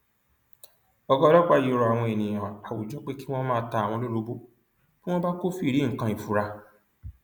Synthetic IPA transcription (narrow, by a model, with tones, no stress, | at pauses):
ɔ˧ɡɔ˦˧lɔ˦k͡pa˧˨ji˨˧˨ɾɔ˧˨a˨w̃ɔ̃˧e˨nĩ˨j̃ã˨a˨wu˨d͡ʒɔ˨˦k͡pe˦ki˦w̃ɔ̃˦mãː˦ta˧a˨w̃ɔ̃˧lo˦ɾo˧bo˦ | kũ˦w̃ɔ̃˦ba˦ko˦fi˦˨ɾi˨˦ŋ̩˨kã˧i˨fu˨ɾa˧